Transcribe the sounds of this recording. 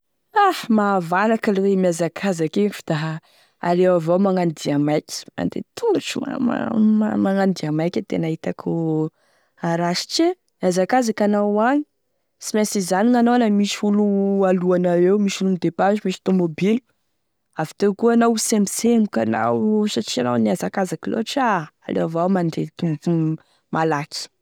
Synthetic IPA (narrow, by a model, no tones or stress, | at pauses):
ahmaːvalakəlewemiazakʰazakenfud̪̥a | aɾewavawmaŋand̪iamajkʲma̰nd̪ḛt̪ʰunuʈ͡ʂṵa̰maŋand̪iamajkʲət̪ḛnaɦit̪akʰu | aɾaʃi̥t͡ʃe | mazakazakanawaɲi | simesizaninanowanamisiulualuanaewmiʃulumid̪epaʒimiʃi̥t̪omobilu̥ | avi̥t̪ewkuanawsemisemukana̰wsaʈ͡ʂiana̰wniazakazakilo̰aʈ͡ʂaa̰lḛavawmand̪et̪unu | malakʲi̥